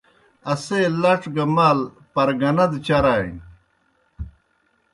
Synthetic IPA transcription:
ɐselɐʈ͡ʂɡɐmaːl | pɐɾɡɐnɐd̪t͡ɕɐɾaːj

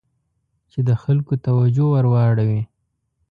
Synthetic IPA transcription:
t͡ʃed̪əxalkot̪awad͡ʒowaɾwɑɽawi

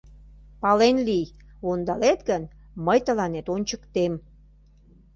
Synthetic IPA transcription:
pɑlenlijond̪ɑlet̪ɡən | məjt̪əlɑnet̪onʲt͡ɕəkt̪em

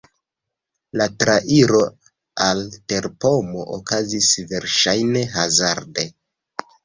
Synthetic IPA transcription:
latɾaʔiɾo | alte̞ɾpo̞moʔokazisve̞ɾʃajne̞ɦazaɾde̞

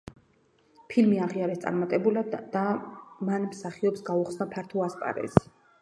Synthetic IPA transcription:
pʰilmiaʁiaɾɛst̪sʼa̰ɾmat̪ʼɛbulad̪amanmsaχiɔpsɡauχsnapʰaɾt̪ʰuaspʼa̰ɾɛ̰zi̥

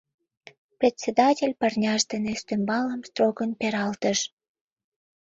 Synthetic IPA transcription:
prʲet̪ʲsʲed̪ɑtʲelʲpɑrnʲɑʒd̪enest̪ømbɑləmst̪roɣənpeɾɑlt̪əʃ

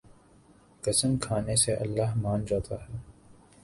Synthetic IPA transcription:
kɐsəmkʰaːneseʔɐ̰lːaɦmãːnd͡ʒaːt̪ʰaɦɛː

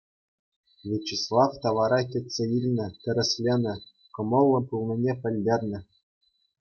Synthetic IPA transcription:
vʲet͡ɕːislˠɑft̪ɑʋɑɾɑkʲɘ̆tʲsʲeilʲnʲɘ̆t̪ʲɘ̆ɾʲɘ̆sʲlʲenʲɘ̆ | kɤ̆mɤ̆lˠːɤ̆pulˠnʲĭnʲepʲɘ̆lʲdʲerʲnʲɘ̆

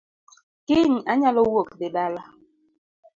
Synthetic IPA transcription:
kiŋaɲalowokɗeɓala

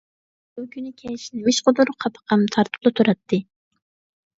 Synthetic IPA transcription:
bʊkʲynɪkʲʰɛʃnɪmɪʃqʊd̪uɾqʰɑpʰə̥qɑmt̪ʰɑɾt̪ʰɨ̥p̚lˠɨt̪ʰuɾɑt̪ʰːɨ

